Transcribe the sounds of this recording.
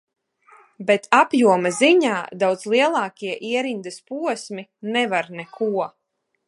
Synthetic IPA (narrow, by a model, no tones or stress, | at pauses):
bet̪ʰapjuɔmaziɲaːd̪awd̪zslˠiɛlˠɑːkʲiɛʔiɛɾind̪ɨspuɔsminɛvaɾnɛkuɔ